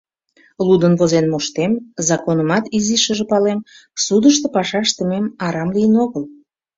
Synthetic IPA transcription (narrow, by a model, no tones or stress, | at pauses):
lud̪ənβozenmoʃt̪emzɑkonəmɑt̪iziʃəʒəpɑlem | sud̪əʃt̪əpɑʃɑʃt̪əmemɑɾɑmlijənoɣəl